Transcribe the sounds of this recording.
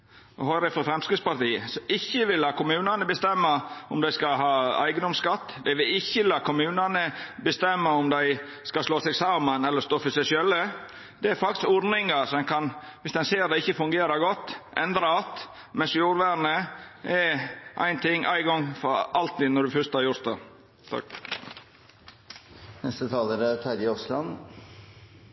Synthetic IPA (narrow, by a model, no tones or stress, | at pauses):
ɔhɔɾɛfɾɔfɾɛmskɾɪd̪spɑɾt̪iːəsɔɪçːəʋɪlːɑːkʊmʉːnɑnəbəst̪ɛmːɑʊmd̪æɪskɑɦɑːæ̰ɪɡənd̪ɔmskɑt̪ːd̪æɪʋɪlɪçːəlɑːkʊmʉːnɑnəbəst̪ɛmːəʊmd̪æɪ | skɑsloːsɛɡsɑːmənɛlːəɾst̪oːfɔsɛʃœlːə | d̪̥ɛæɾfɑk̚t̪ɪ̥skɔɾnɪŋɑɾsɔɛnkʰɑnʋɪsd̪ɛnseːɾd̪ɛɪçːəfʉŋɡeːɾɑɾɡɔt̪ːʔɛ̰nd̪ɾɑɑt̪ | mɛnsjuːɾʋæɳəʔɛɾʔæ̰ɪnt̪ʰɪŋːʔæ̰ɪɡɔŋfɔɾʔɑlt̪iːd̪nɔɖʉfœɾst̪hɑɾjʊɾt̪̚d̪ḛ | t̪ʰɑ̰k | nɛst̪ət̪ʰɑːləɾət̪ʰæɾɪɔslɑ̰n